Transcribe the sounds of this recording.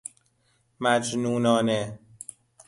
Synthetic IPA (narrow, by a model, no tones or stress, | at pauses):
mæd͡ʒnuːnɒːne